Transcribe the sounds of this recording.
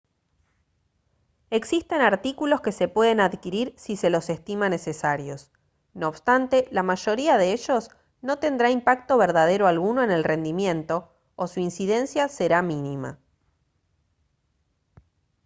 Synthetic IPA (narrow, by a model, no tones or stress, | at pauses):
e̞ksist̪e̞naɾt̪ikulo̞ske̞se̞pwe̞ð̞e̞naðkiɾiɾsise̞lo̞se̞st̪imane̞se̞saɾjo̞s | noːβst̪ant̪e̞lamaʒo̞ɾiaðeeʒo̞s | no̞t̪e̞nd̪ɾaimpak̚t̪o̞βeɾðað̞e̞ɾoalɣuno̞ene̞lre̞nd̪imjẽ̞nt̪o̞ː | suinsiðe̞nsjase̞ɾaminima̰